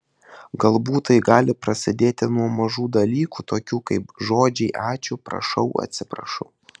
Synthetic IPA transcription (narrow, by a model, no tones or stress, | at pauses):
ɡɐlˠbuːt̪ɐɪɡɑːlʲɪpɾɐsʲɪd̪ʲeːt̪ʲɪnuɔmɐʒuːd̪ɐlʲiːkuːt̪oːkʲuːkɐɪpʒoːd͡ʒʲɛɪʔɑːt͡ʃʲʊpɾɐ̰ʃɒʊʔɐ̰t̪ʲsʲɪpɾɐ̰ʃɔʊ